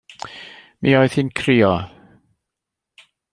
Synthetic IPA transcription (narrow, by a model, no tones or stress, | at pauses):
miːɔɨð̥hɪnkʰriːɔ